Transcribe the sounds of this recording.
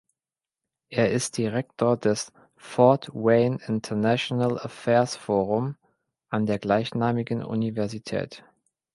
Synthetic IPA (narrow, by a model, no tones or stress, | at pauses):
ʔeːɐɪst̚d̥iʁɛk̚tʰoːɐdɛs | fɔɐtweɪnɪntʰɐnaʃonalafɛːɐsfoːʁ̞ʊm | ʔandeːɐɡlaɪçnaːmɪɡən̩ʔṵnivɛɐzitʰɛ̰ːt